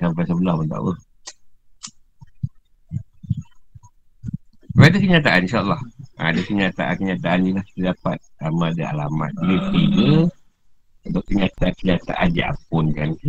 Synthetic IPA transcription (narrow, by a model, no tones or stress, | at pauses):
sampajsəbəlɔhmənt̪a̰wə̰ | ɾadəkəɲat̪̬aʔaninʃaəlːɑhʔa̰dəkəɲat̪aʔakəɲat̪aʔanilahi̥t̪ədapat̪̚amaadaa̰lama̰t̪̚diɾisiɡə | unt̪ʊʔkəɲat̪akəɲat̪a̰ʔad͡ʒḭʔa̰pɔnkan